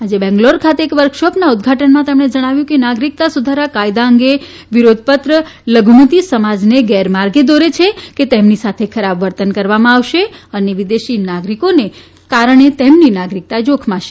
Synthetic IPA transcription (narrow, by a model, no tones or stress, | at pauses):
ad͡ʒebɛ̃ŋɡloɾkʰat̪eːkʋəɾkʃɔpnaud̪̚ʱɡʱaʈənmãt̪emɳ̃ed͡ʒəɽ̃aʋjũkenaɡɾik̚t̪asud̪ʱaɾakajd̪aəŋɡe | ʋiɾod̪̚ʱpət̪ɾə | ləɡʱumət̪isəmad͡ʒneɡɛɾmaɾɡed̪oɾet͡ʃʰeket̪emnisat̪ʰekʰəɾabʋəɾt̪ənkəɾʋamãaʋʃeəneʋid̪eʃinaɡɾikone | kaɾəɳ̃et̪emninaɡɾik̚t̪ad͡ʒokʰmãʃe